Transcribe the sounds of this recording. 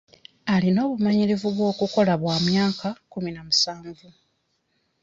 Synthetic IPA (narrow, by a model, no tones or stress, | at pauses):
alino̞ːβumaɲiɾivuβwo̞ːkuko̞laβwaːmjaːkakuminamusaːɱvu